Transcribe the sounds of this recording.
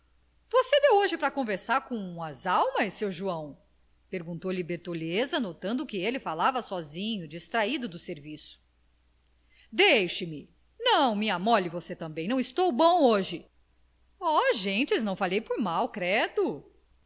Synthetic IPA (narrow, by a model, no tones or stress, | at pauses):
vosed̪ewoʒɪpɾɐkõveɾsaɾkõɐzawmɐsːewʒuɐ̃w̃ | peɾɡũnt̪owlibeɾt̪olezɐnot̪ɐ̃nd̪ʊkɪelɪfalavɐsɔzĩɲʊd͡ʒist̪ɾaid̪ʊd̪ʊseɾvisʊ̥ | d̪ejʃɪmɪ | nɐ̃w̃miamɔlɪvoset̪ɐ̃mbẽj̃nɐ̃w̃ist̪owbõw̃oʒɪ | ɔʒẽt͡ʃɪznɐ̃w̃falejpʊɾmawkɾɛd̪ʊ